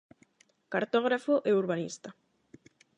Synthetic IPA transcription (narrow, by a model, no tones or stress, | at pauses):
kaɾt̪ɔɣɾafoʔɛuɾβanḭst̪a